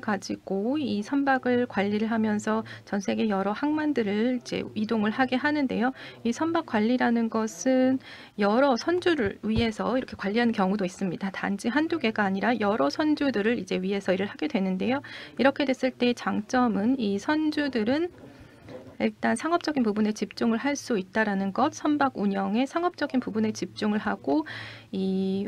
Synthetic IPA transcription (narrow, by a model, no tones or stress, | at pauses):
kad͡ʑiɡ̥oisʰʌnbaɡɯɭkwaʎːiɾɯɭɦamjʌnsʰʌt͡ɕʌnsʰe̞ɡe̞jʌɾʌhaŋmandɯɾɯɭid͡ʑe̞̰ɥidoŋɯɭhaɡe̞ɦanɯnde̞̰joisʰʌnbak͈waʎːiɾanɯnɡʌsʰɯn | jʌɾʌsʰʌnd͡ʑuɾɯɭɥiɦe̞sʰʌiɾʌkʰe̞kwaʎːiɦanɯnkjʌŋudois͈ɯmɲidatand͡ʑiɦanduɡe̞ɡaːɲiɾajʌɾʌsʰʌnd͡ʑudɯɾɯɾid͡ʑe̞ɥiɦe̞sʰʌiɾɯɭhaɡe̞dwe̞nɯnde̞joiɾʌkʰe̞dwe̞s͈ɯɭt͈e̞t͡ɕaŋt͡ɕ͈ʌmɯnisʰʌnd͡ʑudɯɾɯn | iɭt͈ansʰaŋɦʌp̚t͡ɕ͈ʌɡinpubune̞t͡ɕip̚t͡ɕ͈uŋɯɭɦaɭs͈uit̚t͈aɾanɯnɡʌt̚sʰʌnbaɡuɲjʌŋe̞sʰaŋɦʌp̚t͡ɕ͈ʌɡinpubune̞t͡ɕip̚t͡ɕ͈uŋɯɭɦaɡ̥oi